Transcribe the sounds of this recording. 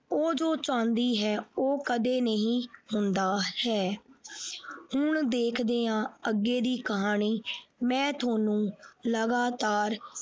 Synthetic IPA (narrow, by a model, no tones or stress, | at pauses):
oːd͡ʒoːt͡ʃãːnd̪iːɦɛːoːkəd̪eːnəɦĩːhʊnd̪aːhɛː | hʊɳd̪eːkʰd̪eːãːəɡːeːd̪iːkəɦaːɳiːmɛ̃ːt̪ʰoːnũːləɡaːt̪aːɾ